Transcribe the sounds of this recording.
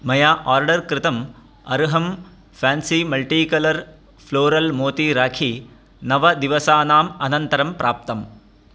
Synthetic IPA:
mɐjaːʔaːɾɖɐɾkɾɪt̪ɐm | ɐɾuɦɐm | faːnsimɐlʈiːkɐlɐɾ | floːɾɐlmoːt̪iɾaːkʰi | nɐʋɐd̪ɪʋɐsaːnaːmɐnɐnt̪ɐɾɐmpɾʔaːp̚t̪ɐm

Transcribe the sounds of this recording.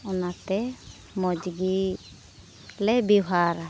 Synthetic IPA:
ɔnat̪ɛ | mɔd͡ʒɡi | lɛbiɦaɾ

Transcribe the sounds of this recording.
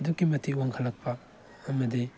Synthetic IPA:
dukːimɐtʰiwaŋkʰɐlːɐk̚pʰɐː | mɐdi

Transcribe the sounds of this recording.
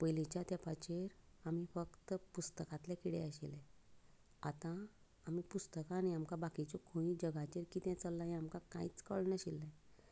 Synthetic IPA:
pəjlit͡ɕjat̪ɛpat͡ɕeɾ | amifəkt̪əpust̪əkat̪lɛkiɽɛəɕilɛ | a̰t̪ãː | mipust̪əkaːniamkabakit͡ɕɔkʰoĩd͡ʑəɡat͡ɕeɾkiːt̪ɛ̃t͡səlːaɦɛ̃amkakã̰it͡skəɭnəɕilːẽ

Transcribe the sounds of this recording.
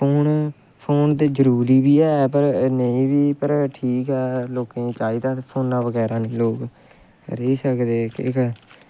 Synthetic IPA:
pʰoːn | pʰoːnd̪eːzəɾuːɾiːbiːɛːpəɾnəĩːʋiːpəɾʈʰiːkɛːloːkẽːt͡ʃaːiːd̪aːpʰoːnːaːʋəɡɛːɾaːneːloːk | ɾəiːsəkd̪eːkɪ̰k

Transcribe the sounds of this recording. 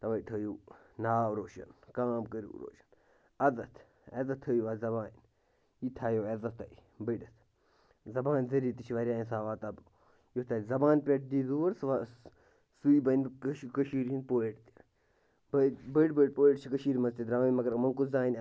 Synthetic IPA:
t̪ɐʋɐjt̪ʰɐːjuː | naːɾoːʃɐ̰nkaːmkəɾṵːɾo̰ːʃɐ̥n | ɐzɐt̪ʰ | ɐzɐt̪ʰːɐjuʋaːzɐbaːn | it̪ʰaːjoːeːzɐt̪ʰːɐ̰ibəɖɐt̪ʰ | zɐbaːnzɐɾiːt̪it͡ʃʰiʋɐɾʲjaːnsaːʋaːt̪ɐb | jot̪ʰɐlzɐbaːnpʲeʈ̚d̪iːzuːɐɾsa | suibɐnkʃkəʃiːɾinpoːeʈt̪i̥ | bɐbəʈbəʈpoːeʈt͡ʃʰikɐʃiːɾmɐzt̪id̪ɾaːmimɐɡɐɾmɐŋkuzaːinʲ

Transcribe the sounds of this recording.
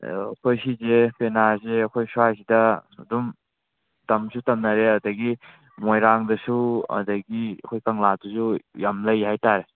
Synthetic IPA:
ɐkʰojsizepenazeɐkʰojsuasidɐdum | dɐmsutɐmnaɾeadɐɡi | mojɾaŋdɐsuɐ̰dɐɡiɐ̰kʰojkaŋladusujamləjhajtaɾe

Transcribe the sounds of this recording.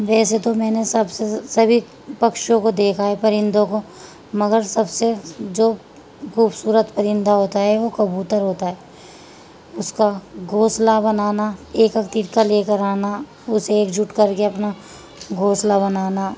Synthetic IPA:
ʋɛːset̪omɛːnesɐbsesɐbʱi | pɐkʃõkod̪eːkʰaɦɛpɐɾɪ̃nd̪õko | mɐɡəɾsɐbsed͡ʒoː | xuːbsuːɾət̪pəɾɪ̃nd̪aɦoːt̪aɦɛʋokɐbuːt̪əɾɦoːt̪aɦɛː | ʊskaɡʱoːslabɐnaːnaeːkəkt̪iʈkaleːkəɾaːna | ʊseeːkd͡ʒʊʈkɐɾkeɐpna | ɡʱoːslabɐnaːna

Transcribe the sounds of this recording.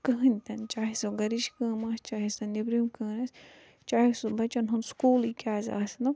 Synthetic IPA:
kɨɦɨnʲt̪ɐnt͡ʃaːɦisoɡɐɾiʃkɨːmaːst͡ʃaːɦisɐnibɾimkɨːnɐsʲ | t͡ʃaːhisubɐt͡ʃɐnɦunskuːlikʲaːzʲa̰ːsnɐ

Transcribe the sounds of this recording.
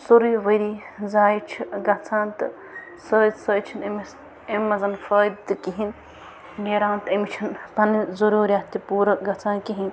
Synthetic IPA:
suɾiːʋɐjɾi | zaːjit͡ʃʰiɡɐt͡sʰãːnt̪ɨ | səːd̪səːt͡ʃʰinems | emːɐzɐnfəːd̪ɨkiɦin | ɡeːɾãːnt̪emit͡ʃʰɐnpɐnizɐɾuːɾjaːt̪ipuːɾɐɡɐt͡sʰãːnkiɦin

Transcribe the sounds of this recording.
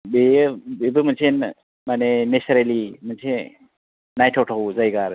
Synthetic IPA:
bebebɯmənsʰen | manenesaɾelimənsʰe | najtʰawʈʰawzajɡaɾ

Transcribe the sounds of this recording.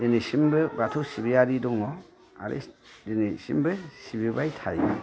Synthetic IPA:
denisimbɯbatʰusibiaɾidɔŋɔ | a̰ɾḛdenisḭmbɯsibibajtʰaɾḭ

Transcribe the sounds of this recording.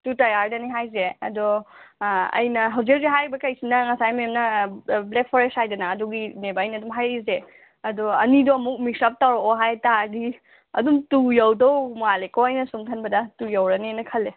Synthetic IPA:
tutɐjaɾdɐniɦajzeɐ̰dɔ | ɐ̰jnɐɦawzik̚ziɦajɾibɐkɐjsinɐŋɐsajmemnɐblek̚pʰɔɾeshajdɐnɐːdɔɡinebajnɐdumɦajize | ɐdɔɐnidɔːmuk̚mik̚sap̚tawɾoɦajtaɡi | ɐ̰dumtujawdɔwmalekɔwɐjnɐsumkʰɐnbɐdɐtujawɾɐnenɐkʰɐlːe

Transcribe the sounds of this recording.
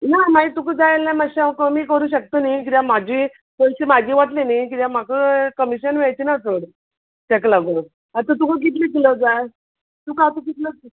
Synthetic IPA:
namait̪ukəd͡zajelːãmaɕãkəmiːkəɾuːɕək̚t̪onajk̬it̪jam̤ad͡ʑʱiː | koɭt͡ɕiːmaɡiːʋaʈlinak̬it̪jam̤akəkəmiɕənʋɛajt͡ɕinat̪ʰoɽ | ɕɛklaɡo | at̪ət̪ukəɡit̪lik̪iləd͡zaj | t̪ukat̪uɡit̪lə

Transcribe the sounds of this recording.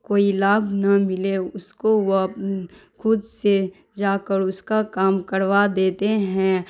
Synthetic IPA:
koːilaːbʱnɐmɪleʊskoʋop | kʰʊd̪se | d͡ʒaːkəɾʊskakaːmkəɾʋad̪eːt̪eɦɛ̃ː

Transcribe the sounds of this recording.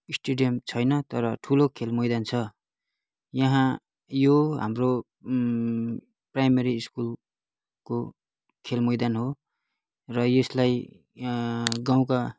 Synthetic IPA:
isʈeɖijʌmt͡sʰʌjnʌt̪ʌɾʌʈʰulokʰelmʌjd̪ant͡sʰʌ | jʌɦã | joɦa̰mro | prajmeɾiːskul | ko | kʰelmʌjd̪anɦo | rʌjeslaj | ɡaw̃ka

